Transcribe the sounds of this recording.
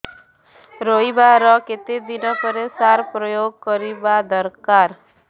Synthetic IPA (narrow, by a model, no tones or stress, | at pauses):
ɾoibaɾɔket̪ed̪inɔpɔɾesaɾpɾɔjoɡ̚kɔɾibad̪ɔɾkaɾ